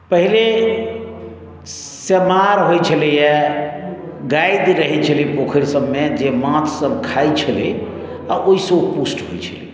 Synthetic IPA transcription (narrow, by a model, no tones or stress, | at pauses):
pəɦile | səmaɾɦojt͡ʃʰəlijɛ | ɡajd̪ɾəɦɛt͡ʃʰəlipokʰəɾsəbmed͡ʒemãt̪ʰsəbkʰajt͡ʃʰəli | aʔoisəpusʈɦojt͡ʃʰəli